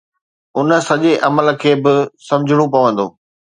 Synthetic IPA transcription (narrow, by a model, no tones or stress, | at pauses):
ʊnə̆sɐʄeʔɐməlkʰeːbɪsɐ̃md͡ʑʱɪɽ̃ũpɐʋə̃nd̪o̰ː